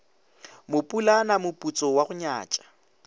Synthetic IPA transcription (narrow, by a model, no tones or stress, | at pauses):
mʊpʼulanamʊpʼut͡sʼɔwaɣʊɲa̰ːt͡ʃʼḁ